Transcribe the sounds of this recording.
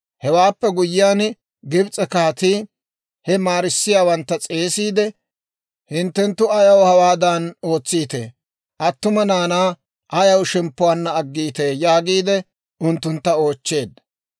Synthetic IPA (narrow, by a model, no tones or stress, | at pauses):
hɛwaːpːɛɡʊjːɪjaːn | ɡɪbt͡sʼɛkaːt̪iː | hɛmaːɾɪsːɪjaːwɐnt̪ːɐt͡sʼe̞ːsiːd̪ɛ | hɪnt̪ːɛnt̪ːʊɐjɐwhɐwaːd̪ɐno̞ːt͡sːiːt̪e̞̰ː | ʔɐt̪ːʊmɐnaːnaː | ʔɐjɐwʃɛmpːʊwaːnːɐːɡːiːt̪e̞ːjaːɡiːd̪ɛ | ʊnt̪ːʊnt̪ːɐo̞ːt͡ʃːe̞ːd̪